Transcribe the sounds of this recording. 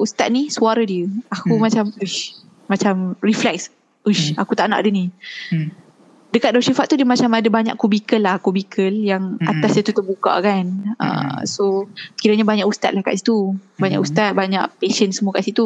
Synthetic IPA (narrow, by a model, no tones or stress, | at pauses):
ust̪at̪̚nisuaɾadiəakumat͡ʃamuʃ | mat͡ʃamriflɛks | uʃakut̪aʔna̰ʔadəni | dəkat̪̚dasifat̪t̪ːudiəmat͡ʃamadabaɲa̰ʔkubikəlːahkubikʰəljaŋat̪asdət̪ut̪ərbuka̰kanə̰sokiɾaɲabaɲaʔust̪at̪̚lahkaʔsi̥t̪ubaɲaʔust̪at̪̚baɲaʔpesənsəmuəkaʔsit̪u